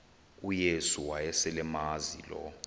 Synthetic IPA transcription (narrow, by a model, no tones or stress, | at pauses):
ujesuwajɛsɛlɛmazḭlɔ̰